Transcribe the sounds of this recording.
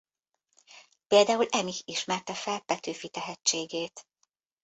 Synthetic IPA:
peːld̪aːulɛmihiʃmɛrt̪ɛfɛlpɛt̪øːfit̪ɛɦɛt͡ʃːeːɡeːt̪

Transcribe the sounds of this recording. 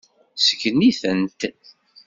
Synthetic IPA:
sə̥kːəniθənt̪

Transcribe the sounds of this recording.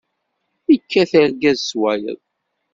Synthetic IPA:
ikːæθæɾɡæzswælə̰ð

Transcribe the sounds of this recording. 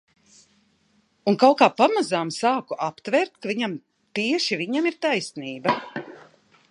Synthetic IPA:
unkawkaːpamazaːmsaːkuʔapt̪vɛːɾt̪kaviɲam | t̪iɛʃiviɲamiɾt̪ajsniːba

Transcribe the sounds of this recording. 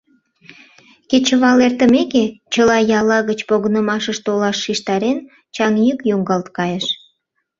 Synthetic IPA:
ket͡ɕəβɑlert̪əmeket͡ɕəlɑjɑlɑɣət͡ɕpoɣənəmɑʃəʃt̪olɑʃːiʃt̪ɑɾen | t͡ɕɑŋjykjoŋɡɑlt̪kɑjəʃ

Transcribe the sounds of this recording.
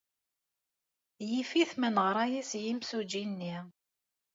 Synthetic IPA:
jifiθmənəʁɾˤajæsjimsud͡ʒinːi

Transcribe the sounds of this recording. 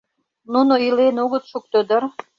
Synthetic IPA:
nunoilenoɣət̪ʃuk̚t̪ød̪ər

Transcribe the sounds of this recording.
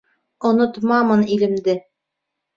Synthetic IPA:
ŏnŏt̪mɑmɤnilɘ̆md̪ɘ

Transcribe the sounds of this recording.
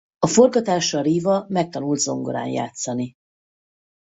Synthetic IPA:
ɒfo̞rɡɒt̪aːʃɒɾiːvɒmɛk̚t̪ɒnuld̪zo̞ŋɡoɾa̰ːnja̰ːt̪sɒni

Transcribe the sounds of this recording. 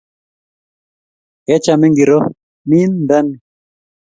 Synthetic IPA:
et͡ɕamiŋɡiɾo | mind̪ɐn

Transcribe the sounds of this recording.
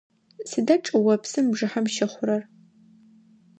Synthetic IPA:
sɨdɐʈ͡ʂʼɨwɐpʰsɨmbʐɨħamʃɪχʷʊɾɐr

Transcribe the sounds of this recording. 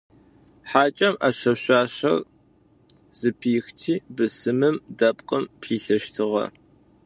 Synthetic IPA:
ħaːt͡ʃʼɐmʔaːɕɐpɕʷaːɕɐ̰r | z̥ɨpʰiːxtʰiːbɨsɨmɨmdɐpʼqʼəmpʰiːɬɐʃtʰɨʁɐ̰

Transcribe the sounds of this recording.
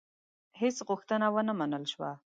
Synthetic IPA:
hesɣʊxt̪ənawənamanəlʃwa̰

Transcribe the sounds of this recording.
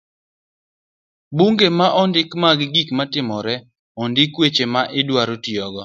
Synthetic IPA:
buŋɡemaʔɔndɪkmaɡɪɡikmatɪmɔɾɛ | ɔndɪkwet͡ʃemaʔɪdwaɾotiɔɡɔ

